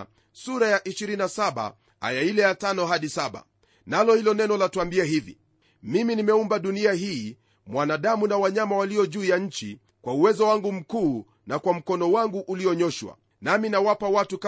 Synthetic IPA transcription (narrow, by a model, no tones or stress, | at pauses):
suɾajaʔiʃiɾinasaɓa̰ | a̰jailɛjatanɔɦaɗisaɓa̰ | nalɔhilɔnɛnɔlatuambiɛɦivḭ | miminimɛumbaɗuniaɦiː | mwanaɗamunawaɲamawaliɔʄuːjaɲ̩t͡ʃḭ | kwauwɛzɔwaŋɡum̩kuː | nakwam̩kɔnɔwaŋɡuʔuliɔɲɔʃwa̰ | naminawapawatuk